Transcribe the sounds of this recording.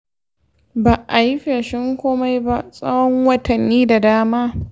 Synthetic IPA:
baː˨ʔa˨ji˦ɸe˨ʃɪ˦ŋkʷoː˦ma˦jba˦ʔsʼɐ˦wɔ˦ŋwɐ˨tʰɐ˨nːiː˦da˨daː˦maː˦

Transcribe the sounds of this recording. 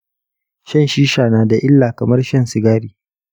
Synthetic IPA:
ʃɐ˦nʃiː˦ʃaː˨naː˦da˨ʔɪ˦lːaː˨kɐ˨mɐ˦rʃɐ˦˨nsɪ˨ɡaː˦ɾiː˨

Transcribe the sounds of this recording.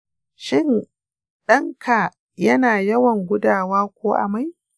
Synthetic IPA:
ʃɪ˦n | ɗɐ˦ŋkʰa˨ | jɐ˦naː˨jɐ˦wɐ˨ŋɡʷʊ˦daː˨waː˦kʷoː˦ʔa̰˨ma˦j

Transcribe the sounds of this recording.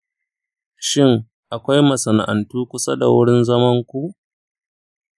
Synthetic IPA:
ʃɪ˦ŋ | ʔa˨kʷa˦jmɐ˨sɐ˨na̰˨ʔa̰˨ntuː˦kʷʊ˦sa˦da̰˨wʊ˦ɽɪ˦nzɐ˦mɐ˦ŋkʷu˦ʔ

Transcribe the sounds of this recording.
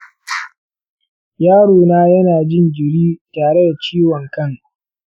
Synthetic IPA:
jaː˦ɽoː˨naː˦jɐ˦naː˨d͡ʒɪ˦ŋɡʲɪ˨ɽiː˦taː˨ɽe˦da˨t͡ʃiː˦wɔ˨ŋkɐ˦ŋ

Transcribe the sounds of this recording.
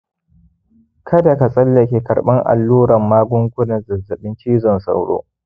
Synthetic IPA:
kʰɐ˦da˨ka˨sʼɐ˦lːɐ˨kʲeː˨kɐ˨ɽɓɐ˦ŋʔa̰˨lːuː˦ɽɐ˨mːaː˦ɡʷʊ˦ŋɡʷʊ˦nɐ˨zɐ˨zɐ˨ɓɪ˦nt͡ʃiː˦zɔ˨nsa̰˨wɽo̰ː˦

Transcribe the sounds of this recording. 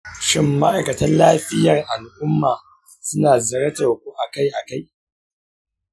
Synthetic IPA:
ʃɪ˦mːa˦ʔa˨jkɐ˨tɐ˦nlaː˦ɸɪ˦jɐ˨rʔa˨lʔʊ˦mːaː˨ | sʊ˦naː˨zɐ˨ɾɐ˦tɐ˨rkʷu˦ʔa˨ka˦jʔa˨ka˦j

